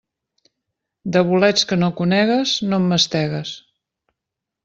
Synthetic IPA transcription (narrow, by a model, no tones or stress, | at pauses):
d̪əβulɛt͡skənokunɛɣəznomːəst̪ɛɣəs